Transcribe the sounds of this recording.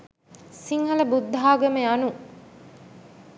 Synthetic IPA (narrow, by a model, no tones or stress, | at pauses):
siŋɦɐlɐbud̪ːɦaːɡɐmeɐnu